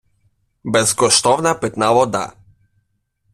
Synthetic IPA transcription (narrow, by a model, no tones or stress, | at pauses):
bɛzɡɔʃt̪ɔvnapit̪navɔd̪a̰